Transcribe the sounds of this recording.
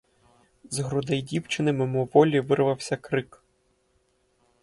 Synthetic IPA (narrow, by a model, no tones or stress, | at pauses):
zɦɾʊd̪ɛjdʲiwt͡ʃɪnɪmemɔʋɔlʲiʋɪrʋɐwsʲɐkɾɪk